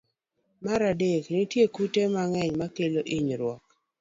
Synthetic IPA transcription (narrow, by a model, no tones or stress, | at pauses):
maɾadeknitjekutemaŋɛɲmakeloʔiɲɾwɔk